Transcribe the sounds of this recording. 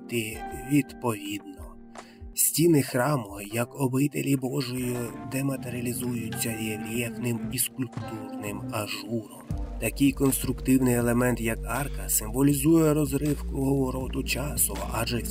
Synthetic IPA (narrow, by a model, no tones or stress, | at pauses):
t̪ɪʋʲid̪pɔʋʲid̪nɔ | sʲtʲinɪxɾɑmɔjɐkɔbɪt̪elʲibɔʒɔjid̪ɛmɐt̪eɾʲɐlʲizujʊt͡sʲːɐjelʲɛfnɪmiskʊlʲpt̪urnɪmɐʒuɾɔmt̪ɐkʲɪjkɔnst̪ɾʊkt̪ɪwnɪjelˠemɛnt̪jɐkɑrkɐsɪmʋɔlʲizujɛɾɔzɾɪwkʊɦɔʋɔɾɔt̪ʊt͡ʃɑsʊɔ̰ʔaʒɛ